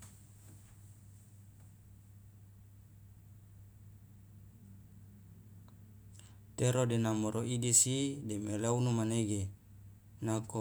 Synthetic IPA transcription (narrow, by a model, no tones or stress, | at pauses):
t̪eɾodenamoɾoidisidemeleunumaneɡe | nako